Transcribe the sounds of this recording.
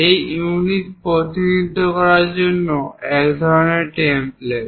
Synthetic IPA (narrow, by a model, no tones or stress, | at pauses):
ejunit̪pɾot̪inid̪ʱokɔɾaɾd͡ʑonːoɛkd̪ʱɔɾoneɾʈemple